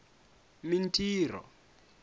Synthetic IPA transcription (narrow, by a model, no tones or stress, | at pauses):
mintʰʼiːrɔ̰